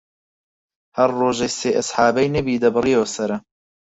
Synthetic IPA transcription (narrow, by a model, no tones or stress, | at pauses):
hɐɾːoːʒejseːʔɐsħaːbɐjnɐbiːd̪ɐbɨrijewsɐɾɐ